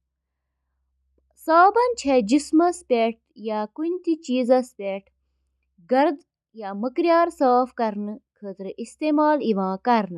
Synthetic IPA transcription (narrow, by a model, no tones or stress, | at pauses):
saːbɐnt͡ʃʰed͡ʒismɐspʲeʈ̚jaːkunʲt̪it͡ʃiːzɐspʲeːʈʰ | ɡɐɾd̪ | jaməkɾijaːɾsaːfkɐɾnɨkʰət̪ɾɨʔist̪eːmaːliʋãːkɐɾnɨ